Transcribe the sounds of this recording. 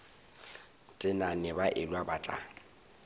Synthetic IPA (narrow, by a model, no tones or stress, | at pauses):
tʼɪnanɪbaʔɪlwabat͡ɬʼa̰